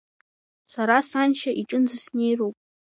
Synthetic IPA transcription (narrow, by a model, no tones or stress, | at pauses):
saɾasanʃaʔiʈ͡ʂʼɨnzɨsne̞jrowpʼ